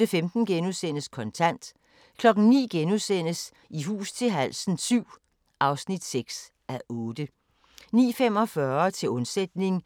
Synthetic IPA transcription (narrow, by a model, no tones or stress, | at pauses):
əfemd̥n̩ɡ̥enusen̰əskʰɒ̽nt͡sʰæn̰d̥ | kʰlɒ̽ɡ̥n̩nḭːɡ̥enusen̰əs | iɦṵːst͡sʰe̝lɦælsn̩syʊ̰ | ʔɑ̈ʊsnid̥seɡ̥s | æʔɔ̽ːd̥ə | nḭːfem̰ɒ̽fɶɐt͡sʰe̝lɔ̽nsed̥ne̝ŋ